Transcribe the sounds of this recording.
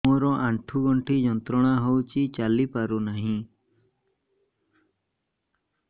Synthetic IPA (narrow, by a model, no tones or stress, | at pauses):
ɔɾɔʔaɳʈʰuɡɔɳʈʰid͡ʒɔnt̪ɾɔɽ̃aɦowt͡ʃit͡ʃalipaɾunaɦĩ